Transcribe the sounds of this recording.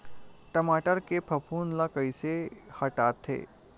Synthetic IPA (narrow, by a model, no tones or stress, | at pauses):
ʈəmaːʈəɾkepʰəpʰuːnlakəjsehɐʈat̪ʰːḛː